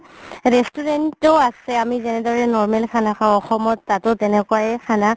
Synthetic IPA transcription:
ɹɛstuɹɛntɔasɛamizɛnɛdɔɹɛnɔɹmɛlkʰanakʰaɔxɔmɔtːatʊtɛnɛkʊajɛkʰana

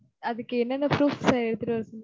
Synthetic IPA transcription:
ɐðɯkːɯɛnːɐnːɐpɾuːfsaɛɽɯt̪ːɯʈːɯɐɾsɐl

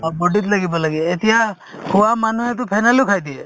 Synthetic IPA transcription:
boɖit̪ləɡibalaɡiet̪ija | kuamanuɦet̪̬upʰajnalukʰajd̪ie

